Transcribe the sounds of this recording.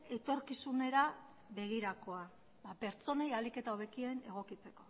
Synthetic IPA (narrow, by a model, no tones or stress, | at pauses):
e̞t̪o̞ɾkisune̞ɾa | βe̞ɣ̞iɾako̞a | bape̞ɾt͡so̞nejalike̞t̪aoβe̞kie̞ne̞ɣ̞o̞kit͡se̞ko̞